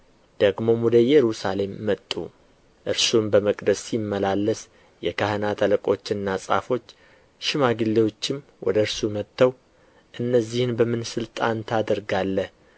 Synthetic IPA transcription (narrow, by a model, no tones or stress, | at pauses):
d̪̥əɡmo̞mud̪əjɛɾusale̞mːət̪ʼːṵ | ʔɨɾsumbəməkʼd̪əsːimːəlalːəs | jɛkʰahənat̪ʰələkʼo̞̰t͡ʃːɪnːasʼa̰fo̞t͡ʃː | ʃɪmaɡɨlːewo̞t͡ʃːɪm | wʔɔ̰d̪əɨɾsumət̪ʰːəw | ʔɨnːəzːihɨnbəmɨnsɨlt̪ʼant̪ʰad̪əɾɡalːəh